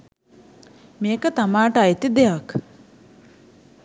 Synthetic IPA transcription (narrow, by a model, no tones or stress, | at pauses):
meːkət̪amaːʈəajt̪id̪eak